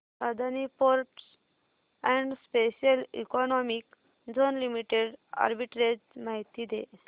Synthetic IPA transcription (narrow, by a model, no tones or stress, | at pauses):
sad̪ʱanipoɾʈs | ɛ̃ɳɖspeɕiəlḭkɔnɔmik | d͡zonlimiʈeɖa̰ɾbiʈɾed͡ʑmaɦit̪id̪e